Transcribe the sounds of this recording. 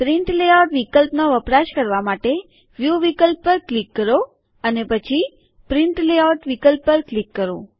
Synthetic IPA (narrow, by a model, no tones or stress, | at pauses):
pɾiɳʈleawʈʋikəlpnoʋəpɾaʃkəɾʋamaʈe | ʋjuʋikəlpːəɾklikːəɾo | ənepət͡ʃʰi | pɾiɳʈleawʈʋikəlpːəɾklikːəɾo̰